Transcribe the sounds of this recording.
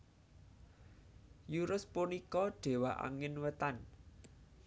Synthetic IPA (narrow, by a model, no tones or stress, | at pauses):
juɾʊspunikɔɖ̥e̤waʔa̰ŋɪnwət̪an